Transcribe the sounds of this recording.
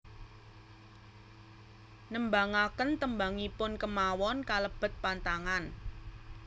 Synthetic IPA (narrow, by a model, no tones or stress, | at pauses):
nəmbaŋakənt̪əmbaŋipʊnkəmawɔnkaləb̥ə̤t̪̚pant̪aŋan